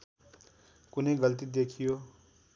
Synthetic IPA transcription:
kunejɡʌlt̪id̪ekʰijo

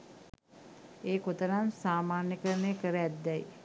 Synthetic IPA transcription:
eːkot̪ənansaːmaːnjəkəɾənekəɾəjæt̪d̪ɛj

